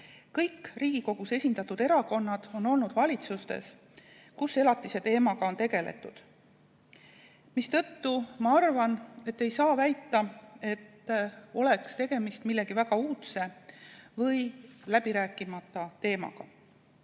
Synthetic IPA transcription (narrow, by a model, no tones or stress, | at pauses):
kɤjkːriːɡ̥iko̞ɡ̥use̞sʲind̪ɑt̪ːud̪e̞ɾɑko̞nːɑd̪̥o̞nːo̞lnud̪̥vɑlʲit̪sust̪ḛs | kuse̞lɑt̪ːˑise̞t̪e̞ːmɑɡ̥ɑo̞nt̪e̞ɡe̞le̞̰t̪ːˑud̪̥ | mist̪ɤ̞t̪ːumɑɑrvɑne̞t̪ːe̞jsɑːvæjt̪ːˑɑe̞t̪ːo̞le̞kst̪e̞ɡ̥e̞mist̪milːe̞ɡ̥ivæɡ̥ɑuːt̪se̞vɤjlæb̥iɾæːkˑːimɑt̪ːˑɑt̪e̞ːmɑ̰ɡ̥ɑ